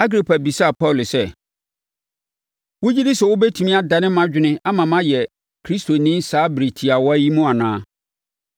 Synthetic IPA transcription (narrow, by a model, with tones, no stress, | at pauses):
a˦ɡɾi˨pʰa˨bi˨sa˦˨pʰɔ˦˨lsɛ˦ | wʊ˦d͡ʑi˦di˦sɛ˨wʊ˦bɛ˦tʰũ˨mĩ˦a˦da˨nɪ̃˦mã˦d͡ʑᶣɪ˦nɪ̃˦a˦mã˨mã˦jɛ˨ | kʰɾi˦stʰo˨nĩː˦saː˨˦bɾi˨tʰi˨a˨wɔ˦æ˦ji˦mũ˦a˨nãː˦